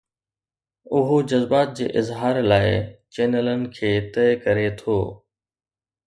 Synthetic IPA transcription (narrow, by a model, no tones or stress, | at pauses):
ʊɦod͡ʑɐzbaːt̪̚d͡ʑḛːʔɪzɦaːɾlaːɪt͡ɕeːnələnɪ̆kʰeːt̪ɐɪkɐɾet̪ʰoː